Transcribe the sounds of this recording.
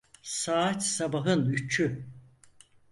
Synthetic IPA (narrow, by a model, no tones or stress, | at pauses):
saːat̪sabaɦɯnyt͡ʃʰy